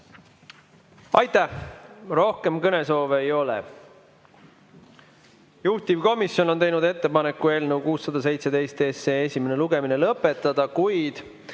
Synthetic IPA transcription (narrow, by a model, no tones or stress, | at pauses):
ɑjt̪æhro̞hke̞mkɤneso̞ːveejo̞lḛ | juht̪ivko̞misjo̞no̞nt̪e̞jnud̪e̞t̪ːe̞pɑne̞kːˑue̞ːlne̞wkuːsːɑd̪̥ɑs̬e̞jt̪se̞d̪e̞jst̪eːseːesʲime̞ne̞luɡe̞minelɤpːˑe̞t̪ːˑɑd̪̥ɑkujd̪̥